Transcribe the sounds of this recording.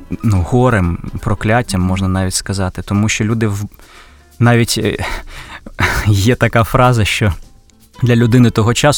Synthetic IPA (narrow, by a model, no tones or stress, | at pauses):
nuhɔɾɪmpɾɔklʲatʲːɐmːɔʒnɐnɑʋʲitʲskɐzɑt̪ɪt̪ɔmuʃt͡ʃɔlʲud̪ɪw | nɑʋʲitʲ | jɛt̪ɐkɑfɾɑzɐʃt͡ʃɔ | d̪lʲɐlʲʊd̪ɪnɪt̪ɔɦɔt͡ʃɑs